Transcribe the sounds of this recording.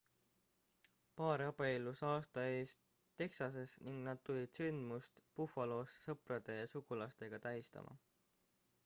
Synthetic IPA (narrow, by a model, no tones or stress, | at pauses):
pɑːɾɑb̥eelːusɑːst̪ɑe̞ːst̪ː | e̞ksɑs̬e̞sniŋɡ̥nɑd̪̥̚t̪ulʲid̪̥synd̪̥must̪pufɑlo̞ːssɤprɑd̪̥e̞jɑsuɡulɑst̪e̞ɡ̥ɑt̪æɦjist̪ɑ̰mʔɑ̰